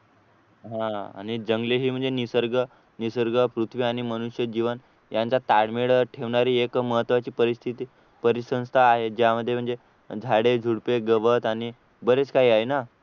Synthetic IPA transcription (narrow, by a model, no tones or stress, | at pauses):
ɦãa̰ɽ̃id͡ʑəŋɡleɦiːm̤əɳd͡zenisəɾɡə | nisəɾɡəpɾut̪ʰʋiːaɽ̃iməñuɕjəd͡ʑiʋən | jant͡sat̪aɽmeɽʈʰeʋɳaɾiːekməɦət̪ːʋat͡ɕiːpəɾist̪ʰit̪iː | pəɾisə̃w̃st̪ʰaːɦed͡ʑjaməd̪ʱːjem̤əɳd͡ze | d͡zʱaɽed͡zʱuɽpeɡəʋət̪aɽ̃i | bəɾet͡skaɦiːaɦina